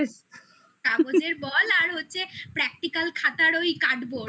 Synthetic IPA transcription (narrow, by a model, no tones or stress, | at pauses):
es | kabod͡ʑeɾbɔlaɾɦotːɕʰepɾɛk̚ʈikalkʰat̪aɾojkaɖbo